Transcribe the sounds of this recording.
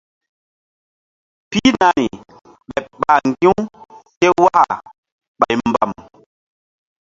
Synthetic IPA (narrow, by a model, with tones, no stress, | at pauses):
pi˦na˨ni˨ | ɓɛ˨pɓa˨ŋɡĩ˦wke˦wa˦ha̰˨ | ɓa˨jmba˨m